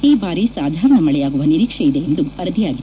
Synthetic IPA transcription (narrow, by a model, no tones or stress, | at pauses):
iːbaːɾisaːd̪ʱaːɾɐɳɐmɐɭɛjaːɡuʋɐniɾiːkʂɐid̪eend̪uɐɾɐd̪ʱijaːɡi